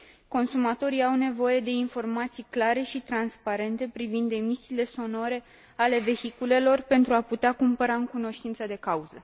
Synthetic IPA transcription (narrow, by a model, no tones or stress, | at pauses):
ko̞nsumat̪o̞ɾiawne̞vo̞je̞d̪e̞info̞rmat̪sijklaɾe̞ʃit̪ɾanspaɾe̞nt̪e̞pɾivind̪e̞misiːle̞so̞no̞ɾe̞ | ale̞ve̞çikule̞lo̞rpe̞nt̪ɾuaput̪eakumpəɾaɨŋkuno̞ʃt̪int̪səd̪e̞kauzə